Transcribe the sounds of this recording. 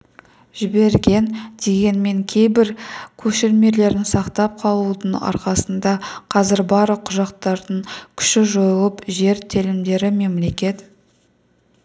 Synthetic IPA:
ʒ̥ɪbe̞ɾɡʲe̞nd̪̥e̞ɡʲe̞nme̞ŋkʲʰe̞jbɪɾkʲʰɵʃɪɾme̞le̞ɾɪnsɑqt̪ɑp̚qʰɑlˠud̪əɴɑ̰ɾqɑsənd̪ɑqʰɑzɪɾbɑɾəqʰʊʒɑq̚t̪ɑɾd̪əɴkʲʰʏ̥ʃɪʒo̞jəlˠəpʒe̞ɾt̪ʰelɪmd̪e̞ɾɪme̞mle̞kʲe̞t̪

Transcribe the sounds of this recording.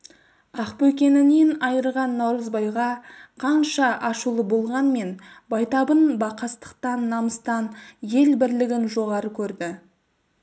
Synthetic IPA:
ɑqpɵkʲe̞nɪne̞nɑjəɾʁɑnːɑwɾəzbɑjʁɑqʰɑnʃɑʔɑʃulˠəbo̞lˠʁɑnme̞nbɑjt̪ɑbənbɑqɑst̪ə̥qt̪ɑnːɑməst̪ɑnje̞lbɪɾlɪɡʲɪnʒo̞ʁɑɾəkʲʰɵɾd̪ɪ

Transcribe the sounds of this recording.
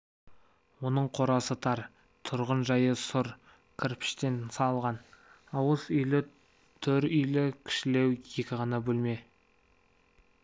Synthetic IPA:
wo̞nəɴqʰo̞ɾɑsət̪ʰɑɾ | t̪ʰʊɾʁənʒɑjəsʊɾ | kʲʰɪɾpɪ̥ʃt̪e̞nsɑlˠʁɑn | ɑwəsʏjlɪ | t̪ʰɵɾʏjlɪkʲʰɪ̥ʃɪle̞wje̞kʲɪʁɑnɑbɵlme̞

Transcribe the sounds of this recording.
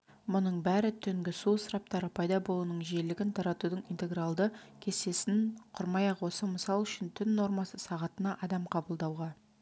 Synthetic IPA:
mʊnəɴbæɾɪt̪ʰʏŋɡʲɪsusəɾɑp̚t̪ɑɾəpʰɑjd̪ɑbo̞lˠuːnəɴʒe̞lɪɡʲɪnt̪ʰɑɾɑt̪ud̪əɴint̪e̞ɡralˠd̪əkʲʰe̞se̞sɪnqʰʊɾmɑjɑqwo̞səməsɑlˠʏʃɪnt̪ʰʏnːo̞ɾmɑsəsɑʁɑt̪ənɑʔɑd̪ɑmqʰɑbəlˠd̪ɑwʁɑ

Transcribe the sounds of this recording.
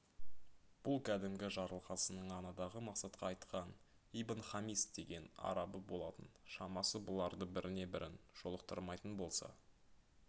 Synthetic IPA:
b̥ʊlˠkʲʰæd̪ɪmɡʲɪʒɑɾəlˠqɑsənəɴɑnɑd̪ɑʁəmɑqsɑt̪qʰɑːjt̪qɑn | ibənχɑmisd̪̥e̞ɡʲe̞nɑ̰ɾɑbəbo̞lˠɑt̪ənʃɑmɑsəbʊlˠɑɾd̪əbɪɾʔɪne̞bɪɾʔɪnʒ̥o̞lˠəq̚t̪ə̰ɾmɑjt̪ənbo̞lˠsɑ̰

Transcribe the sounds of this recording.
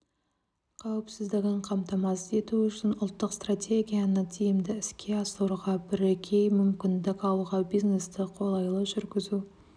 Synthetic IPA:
qʰawɪpsɪzd̪ɪɡʲɪɴqʰɑmt̪ɑmɑsəe̞t̪uʏʃɪnʊlˠt̪ːəqst̪rat̪ʲʰe̞ɡʲijanət̪ʰijɪmd̪ɪɪskʲe̞ɑsəɾuʁɑbɪɾekʲʰe̞jmʏmkʲɪnd̪ɪkɑlˠuʁɑbijznest̪ɪqʰo̞lˠɑjlˠəʒʏɾɡʲɪzu

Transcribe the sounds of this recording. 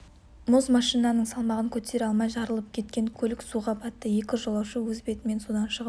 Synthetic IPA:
mozmɑʃijnɑnəɴsɑlˠmɑʁəŋkʲʰɵt̪e̞ɾɑlˠmɑjʒɑɾəlˠəp̚kʲʰe̞t̪̚kʲe̞ŋkʲʰɵlɪksuʁɑpʰɑt̪ːəje̞kʲɪʒolˠɑwʃəwɵzbe̞t̪ɪme̞nsod̪ɑnʃəʁ

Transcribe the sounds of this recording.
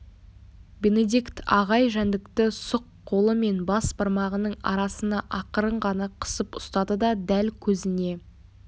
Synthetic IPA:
be̞ne̞d̪ʲikt̪ɑʁɑjʒænd̪ɪkt̪ɪsʊqʰːo̞lˠəme̞nbɑsbɑɾmɑʁənəɴɑ̰ɾɑsənɑʔɑqəɾəɴʁɑnɑqʰə̥səpʊst̪ɑd̪əd̪ɑd̪ælkʲʰɵzɪne̞

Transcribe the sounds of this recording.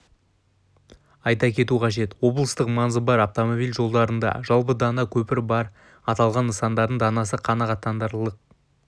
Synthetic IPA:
ɑjt̪ɑkʲʰe̞t̪uqʰɑʒe̞t̪wo̞blˠəst̪əqmɑnzəbɑɾaft̪omobilʲʒo̞lˠd̪ɑɾənd̪ɑ̰ʒɑlˠpəd̪ɑnɑkʲʰɵpɪɾbɑɾ | ɑt̪ɑlˠʁɑnəsɑnd̪ɑɾd̪əɴd̪ɑnɑs̬əqʰɑnɑʁɑt̪ʰːɑnd̪ɑɾlˠəq̚

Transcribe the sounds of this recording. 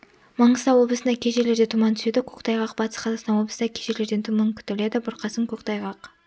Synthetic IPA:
mɑɴəsɑwo̞blˠəsənd̪ɑkʲʰeʒe̞ɾle̞ɾd̪et̪ʰumɑnt̪ʰʏ̥se̞d̪ɪkʲʰɵ̥kt̪ʰɑjʁɑqbɑt̪ə̥sqʰɑzɑqsɑnwo̞blˠəsnd̪ɑkʲʰeʃeɾle̞ɾd̪e̞nt̪ʰumɑŋkʲʰʏ̥t̪ɪle̞d̪ɪbʊɾqʰɑsəŋkʲʰɵkt̪ɑjʁɑq

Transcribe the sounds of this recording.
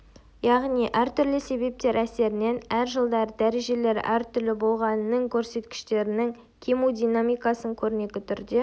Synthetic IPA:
jɑʁnijʔæɾt̪ʰʏɾlɪse̞be̞p̚t̪e̞ɾæse̞ɾɪne̞næɾʒəlˠd̪ɑɾd̪æɾe̞ʒe̞le̞ɾæ̰ɾt̪ʰʏɾlɪbo̞lˠʁɑnənəŋkʲʰɵɾse̞t̪kʲɪ̥ʃt̪e̞ɾɪnɪŋ | kʲʰimud̪ijnamijkɑsəɴkʲʰɵɾɪne̞ɡʲɪt̪ʰʏɾd̪e̞

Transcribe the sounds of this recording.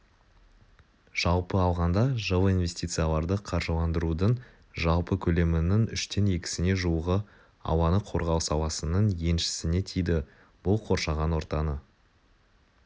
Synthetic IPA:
ʒ̥ɑlˠpəɑlˠʁɑnd̪ɑʒowˠijnve̞st̪ijt̪sɨjalˠɑɾd̪əqʰɑɾʒəlˠɑnd̪əɾud̪əɴ | ʒɑlˠpəkʲʰɵle̞mɪnɪŋʏʃt̪e̞ne̞kʲɪ̥sɪne̞ʒuwəʁə | ɑ̰wɑnəqʰo̞ɾʁɑwsɑwˠɑsənəɴje̞nʃɪ̥sɪne̞t̪ʰijd̪ɪ | b̥ʊlˠqʰo̞ɾʃɑʁɑnwo̞ɾt̪ɑnə

